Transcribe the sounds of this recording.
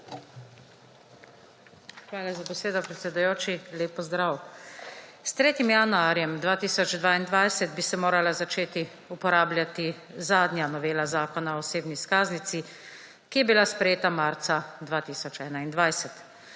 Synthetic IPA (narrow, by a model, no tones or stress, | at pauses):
xʋaːlazabɛseːd̪ɔpɾɛt̪sɛd̪ujoːt͡ʃileːpːɔzd̪ɾaw | st̪ɾeːt̪imjanuaːɾjɛmd̪ʋaːt̪iːsɔd͡ʒd̪ʋaːind̪ʋajsɛt̪̚bisɛmoːɾalazat͡ʃeːt̪i | upɔɾaːblʲjat̪i | zaːd̪njanɔʋeːlazaːkɔnaɔseːbniskaːznit̪si | kijɛbilaspɾɛjeːt̪amaːɾt̪sad̪ʋaːt̪iːsɔt͡ʃɛːnaind̪ʋajsɛt̪